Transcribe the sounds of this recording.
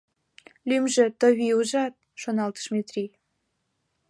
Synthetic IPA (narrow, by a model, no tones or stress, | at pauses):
lymʒĕt̪ə̆βiuʒɑt̪̚ʃonɑlt̪ə̥̆ʃmʲet̪rʲi